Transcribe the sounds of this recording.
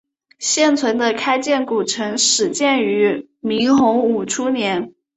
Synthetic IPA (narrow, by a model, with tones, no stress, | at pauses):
ɕjɛ˥˩nt͡sʰwə˧˥nd̪ə˧kʰa˥ɪt͡ɕjɛ˥˩nku˨˩ʈ͡ʂʰɤ˧˥ŋʂɻ̩˨˩t͡ɕjɛ˥˩ny˧˥ | mi˧˥ŋxʊ˧˥ŋu˨˩ʈ͡ʂʰu˥njɛ˧˥n